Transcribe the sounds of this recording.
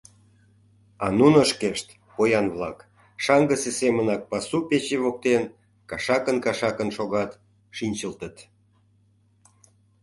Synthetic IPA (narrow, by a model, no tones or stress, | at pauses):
ɑnunəʃkeʃt̪ | pojɑnβlɑ̰k | ʃɑŋɡəsesemənɑk̚pɑsupet͡ɕeβok̚t̪en | kɑʃɑkənkɑʃɑkənʃoɣɑt̪ | ʃinʲt͡ɕəlt̪ət̪